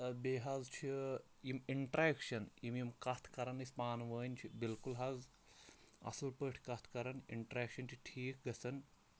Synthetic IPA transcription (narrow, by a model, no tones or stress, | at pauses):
beːɦɐzt͡ʃʰi | jimiɳʈɾeːkʃɐnjimjimkɐt̪ʰkɐɾɐnɐsʲpaːnʋəːnʲt͡ʃʰibilkulɦɐz | ɐ̰sɐlpəʈʰʲkɐt̪ʰkɐɾɐnḭɳʈɾeːkʃɐnt͡ʃʰiʈʰiːk̚ɡɐsɐn